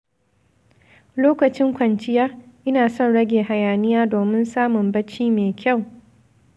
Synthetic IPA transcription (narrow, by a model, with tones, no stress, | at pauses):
loː˦kɐ˨t͡ʃɪ˦ŋkʷɐ˨nt͡ʃɪ˦jaː˦ʔɪ˦naː˨sɔ˦˨nɽɐ˦ɡʲeː˨ɦa˨jaː˨nɪ˦jaː˦doː˨mɪ˦nsaː˦mʊ˨mbɐ˦t͡ʃiː˦meː˨kʲʰa˦˨w